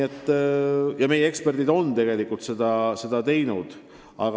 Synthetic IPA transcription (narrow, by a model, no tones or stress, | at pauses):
et̪ˑːjɑme̞jee̞kspe̞rd̪id̪o̞nt̪e̞ɡe̞likːult̪se̞d̪̥ɑse̞d̪ɑt̪e̞jnud̪̥ | ɑ̰ɡ